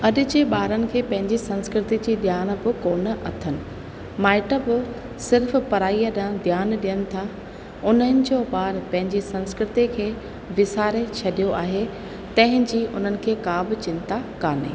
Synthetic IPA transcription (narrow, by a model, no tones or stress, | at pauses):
ɐɗɪ̆d͡ʑeːɓaːɾənɪ̆kʰeːpɐ̃ɦɪ̃ɲd͡ʑisɐ̃nskɾɪt̪id͡ʑiːd̪ʱjaːn̆bɪkoːnəʔɐt̪ʰənɪ̆ | maːɪʈəbɪ | sɪɾfpɐɾaːijəɗãd̪ʱjaːnɗijənɪ̆t̪ʰa | ʊn̤ənɪ̆d͡ʑoːɓaːɾpɐ̃ɦɪ̃ɲd͡ʑisɐ̃nskɾɪt̪ikʰeː | ʋɪsaːɾet͡ɕʰɐɗijoʔaːɦe | t̪ɐ̃ɦɪ̃ɲd͡ʑiːʔʊ̰n̤ənɪ̆kʰeːkaːbɪ̆t͡ɕɪ̃nt̪akaːnḛː